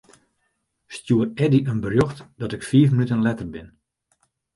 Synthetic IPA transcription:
stjuərɛdiʔənbərjoxtd̥ɔtɪkfiːəfmənytənlɛtərbɪn

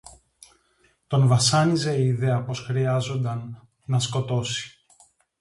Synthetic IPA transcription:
t̪o̞nvɐsɐnize̞iːðe̞ɐpo̞sxɾiɐzo̞nd̪ɐnː | ɐsko̞t̪o̞si̥

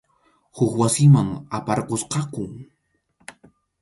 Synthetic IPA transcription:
hʊkwasɪmaŋapaɑɾqosqɑkʊŋ

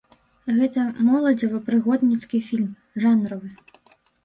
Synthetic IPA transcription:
ɣɛt̪ɐmɔlˠɐd͡zʲivɨpɾɨɣɔd̪nʲit̪skʲifʲilʲm | ʐanɾɐvɨ

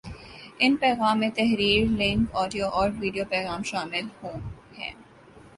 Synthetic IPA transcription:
ɪnpɛːɣaːmːẽt̪ɛɦɾiːɾlɪ̃ŋkɔːɖijoʔɔːɾʋiːɖijopɛːɣaːmʃaːmɪlhoː | hɛ̰̃ː

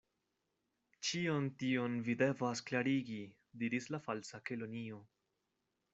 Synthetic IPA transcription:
t͡ʃio̞ntio̞nvide̞vasklaɾiɡi | diɾislafalsakelonio̞

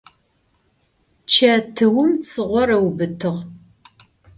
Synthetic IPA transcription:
t͡ʃʰɐtʰɨwʊmt͡sʰɨʁʷɔrɐwbɨtʰɨʁ

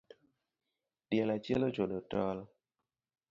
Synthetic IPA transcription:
d̥jɛlat͡ʃḛlod͡ʒodɔtɔl

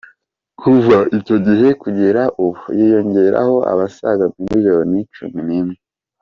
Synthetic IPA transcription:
kʰuvaʔico̞ɟiɦe̞kuɟeɾaʔuβujijo̞ɲɟe̞ɾa̰ho̞ʔa̰βasa̰ɡamumiʒeɾonit͡ʃṵminimŋe

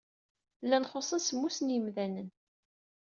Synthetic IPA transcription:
lːænχosˤənsmːusənjəmðænən

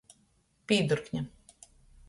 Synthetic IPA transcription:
pʲiːd̪uɾkɲa

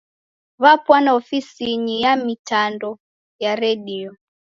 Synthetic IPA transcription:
βapwanaɔfisiɲijamitandɔ | jaɾɛɗiɔ

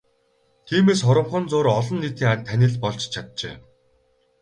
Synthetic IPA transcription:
t̪ʰiːmeːsχɔɾɞ̆mχɞ̆nt͡soːɾɔɮɞ̆nːit̪iːŋanʲt̪ʰːænʲɪ̆ɮpɔɮt͡ɕt͡ɕʰat̪̚t͡ɕḛː

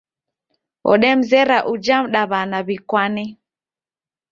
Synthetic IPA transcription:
ɔ̰ɗɛm̩zɛɾaʔud͡ʒam̩ɗaβanaβikwanɛ

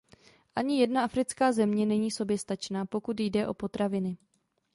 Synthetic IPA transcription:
ʔaɲɪjɛdnaafɾɪt͡skaːzɛmɲɛnɛɲiːso̞bjɛst̪at͡ʃnaːpo̞kut̪jdɛʔo̞po̞t̪ɾavɪnɪ

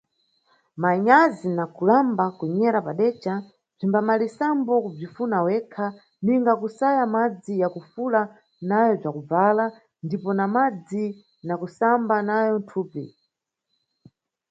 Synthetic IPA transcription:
maɲazinakulambakuɲɛɾapaɗɛt͡ʃa | b͡ʐimbamalisambɔkub͡ʐifunawɛkʰa | niŋɡakusajamad͡zijakufula | najɔb͡ʐakub͡vala | ndipɔnamad͡zi | nakusambanajɔntʰuːpḭ

